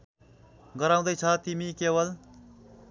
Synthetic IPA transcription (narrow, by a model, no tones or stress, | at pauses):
ɡʌɾaw̃d̪ʌjt͡sʰʌt̪imikewʌl